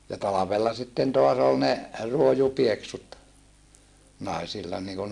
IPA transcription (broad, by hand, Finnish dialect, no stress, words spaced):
jɑ tɑlɑʋelːɑ sitːen toɑs ol ne ruojupieksut nɑˑisilːɑ niːkun